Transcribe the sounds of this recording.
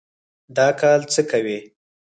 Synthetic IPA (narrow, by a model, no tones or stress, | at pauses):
d̪ɑkɑlt͡səkawi